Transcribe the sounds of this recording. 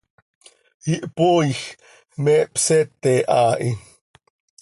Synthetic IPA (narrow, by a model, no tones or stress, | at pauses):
iʔpoix | mɛpsɛt̪eʔaːʔi